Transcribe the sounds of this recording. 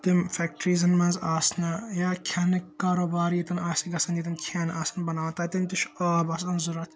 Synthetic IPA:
t̪imfɛk̚ʈɾizɐnmɐnzaːsnɐjaːkʲʰɐnikːaːɾoːbaːɾjit̪ɐnaːsiɡɐsɐnjit̪̬ɐnkʰaːnʔaːsɐnbɐnaːʋt̪aːt̪imt̪iʃaːbɐsɐnzuɾɐt̪ʰ

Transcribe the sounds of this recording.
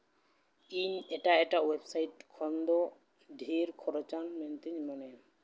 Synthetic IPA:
iɲɛʈaɛʈawebsajʈkʰɔnd̪o | ɖʱeɾkʰɔɾɔt͡ʃanment̪iɲmɔne

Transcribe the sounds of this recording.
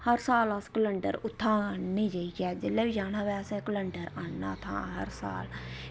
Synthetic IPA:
həɾsaːləskələɳɖə̰ɾʊt̪ʰːaːnːĩːd͡ʒəikɛːd͡ʒɪlːɛːbid͡ʒaːnaːʋɛːsẽkələɳɖəɾaːnːa̰ːt̪ʰã̰ːɦə̰ɾsa̰ːl

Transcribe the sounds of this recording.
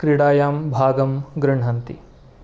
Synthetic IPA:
kɾiɽaːjaːmbʱaːɡɐmɡɾɪɳɦɐnt̪ḭ

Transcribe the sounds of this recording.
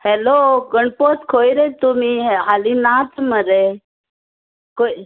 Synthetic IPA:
heloɡəɳpot̪kʰojiɾet̪umiɦalinat̪məɾe | ko

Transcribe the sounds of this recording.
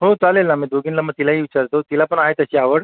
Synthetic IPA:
ɦot͡salelamid̪oɡinlaməɡ̚t̪ilaɦiʋit͡ɕaɾt̪ot̪ilapəɳaɦet̪əɕiːaʋəɽ

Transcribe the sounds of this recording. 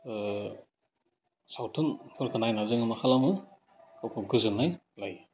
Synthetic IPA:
sawtʰunpʰɯɾkʰɯnajnazɯŋɯmakʰalamɯ | kawkʰɯɡɯzɯnːaj | laj

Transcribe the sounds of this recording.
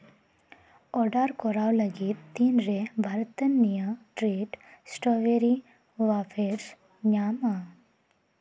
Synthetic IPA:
ɔɖaɾkɔɾawlaɡiːt̪ːinɾebʱaɾt̪ənijəʈɾeʈsʈɔʋeɾi | ʋafeɾs | ɲama

